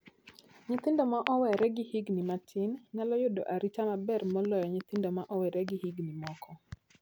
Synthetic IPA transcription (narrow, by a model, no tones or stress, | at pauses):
ɲɪt̪ɪndɔmaʔɔwɛɾɛɡɪhiɡnimatʰɪnːalɔjʊdɔ̰ʔaɾitamabɛrmɔlɔjɔɲɪt̪ɪndɔmaʔɔwɛɾɛɡɪhiɡnimɔkɔ